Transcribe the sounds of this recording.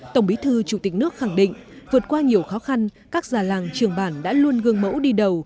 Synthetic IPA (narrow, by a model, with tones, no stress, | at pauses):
t̪ə˧˩wŋ͡mɓi˨˦t̪ʰɨː˧t͡ɕu˧˩t̪ï˨˩k̟̚nɨ˦˥ək̚xa˧˩ŋɗḭ˧˨ŋ̟vɨ˨˩ət̚kwaː˧ɲi˨˩əwxɔ˨˦xa˧n | kaː˦˥k̚zaː˨˩laː˨˩ŋt͡ɕɨ˨˩əŋɓaː˧˩nɗa̰ː˧˥lu˧ənɣɨ˧əŋmə̰˧˥wɗi˧ɗə˨˩w